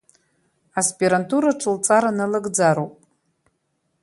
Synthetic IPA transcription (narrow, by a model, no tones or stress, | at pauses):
aspʼiɾantʰuɾaʈ͡ʂʰɨlt͡sʼaɾanɨlɨɡd͡zaɾowpʼ